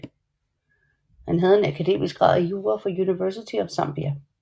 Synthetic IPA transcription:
hænɦæð̞̩ˠe̝nækʰæd̥e̝̰ːmisɡ̥ʁɑ̈ð̰ˠæjuːʁɐfɒ̽juniʋɜɐs̬it͡sʰiɒ̽ʋsɑ̈m̰b̥iæ

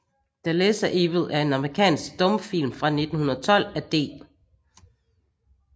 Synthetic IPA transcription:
d̥ælesɐʔeʋð̩ˠæɐe̝nɑ̈mʁikʰɛ̰ːnsɡ̥̚d̥ɔ̽mfil̰mfʁɑ̈ne̝d̥n̩hunɐð̩ˠt͡sʰɒ̽l̰æd̥e̝̰ːn

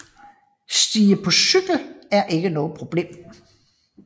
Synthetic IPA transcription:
sd̥iːəpʰɒ̽syɡ̥l̩æɐʔe̝ɡ̥ənɔ̽ːð̞̩ˠpʰʁo̝b̥le̝̰ːm

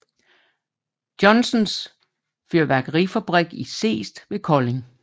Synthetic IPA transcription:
d̥jɒ̽nsɔns | føɐ̰ʋæɡ̥əʁifæb̥ʁɛɡ̥ise̝̰ːsd̥ʋe̝kʰɒ̽le̝ŋ

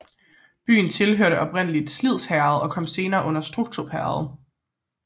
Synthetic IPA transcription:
b̥y̰ːn̩t͡sʰe̝lɦøɐ̰ɾəʔɒ̽b̥ʁen̰əlid̥slið̞̰ˠshæɐð̩ˠɒ̽kʰɒ̽m̰se̝ːnɐːʔɔ̽n̰ɐsd̥ʁuɡ̥̚t͡sʰuɐpʰæɐð̩ˠ

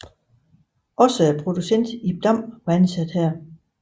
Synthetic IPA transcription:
ʔɒ̽səæɐpʰʁo̝d̥usen̰d̥ib̥d̥ɑm̰ʋænsæd̥hæɐ̰

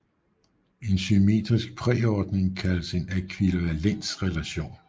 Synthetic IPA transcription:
e̝nɕyme̝̰ːd̥ʁisɡ̥̚pʰʁɛ̰ːɒd̥ne̝ŋkʰæləse̝nekʰʋileʋælen̰d̥sʁɛlæɕo̝̰ːn

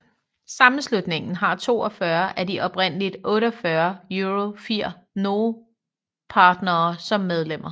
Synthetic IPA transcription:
sɑ̈mn̩slud̥ne̝ŋn̩ɦɑ̈t͡sʰo̝̰ːɒfɶɐʔæɐdiʔɒ̽b̥ʁen̰əlid̥ʔɔ̽ːɾəɒfɶɐjuʁofiɐ̰ | no̝ː | pʰɑ̈ːd̥nɐːsɒ̽mːeð̞ˠlem̰ɐ

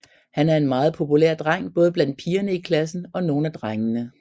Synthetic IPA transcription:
hænæɐe̝nmɑ̈ːð̞̩ˠpʰo̝pʰulḛɐ̰d̥ʁaŋ̰b̥ɔ̽ːð̞ˠblæn̰d̥̚pʰiːɐnəikʰlæsn̩ɒ̽no̝ːn̩æd̥ʁaŋənə

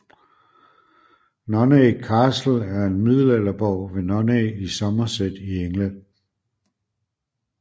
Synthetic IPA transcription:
nɒnekʰɑ̈ːsl̩æɐe̝nmið̰ˠl̩ælɐb̥ɒʊ̰ʋe̝nɒneisɒ̽mɐsed̥ieŋlæn̰

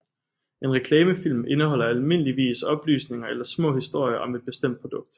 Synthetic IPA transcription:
e̝nʁɛkʰlɛːməfil̰me̝nəɦɒ̽l̰ɐælme̝nəliʋḭːsɒ̽b̥ly̰ːsne̝ŋɐelɐsmɔ̰̽ːhisd̥o̝ɐ̰jɐʔɒ̽me̝d̥̚b̥e̝sd̥em̰d̥̚pʰʁod̥ɔ̽ɡ̥̚d̥

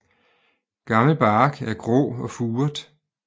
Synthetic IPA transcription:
ɡ̥ɑ̈ml̩b̥ɑ̈ːɡ̥æɐɡ̥ʁɔ̰ːɒ̽fuːɐd̥

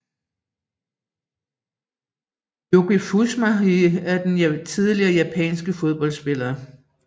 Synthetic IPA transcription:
joɡ̥ifusmæiæɐd̥ent͡sʰiðˠliɐːjæpʰɛ̰ːnsɡ̥əfo̝ð̞ˠb̥ɒ̽l̰sb̥e̝lɐː

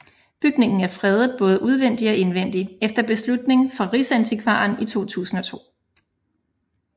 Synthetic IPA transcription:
b̥yɡ̥ne̝ŋn̩æɐfʁɛð̞ˠð̩ˠb̥ɔ̽ːðˠəʔuð̞ˠʋen̰d̥iɒ̽ʔe̝nʋen̰d̥iefd̥ɐb̥e̝slud̥ne̝ŋfʁɑ̈ʁisænt͡sʰikʰʋɑ̈ːnit͡sʰo̝̰ːt͡sʰṵːsn̩ɒ̽t͡sʰo̝̰ː

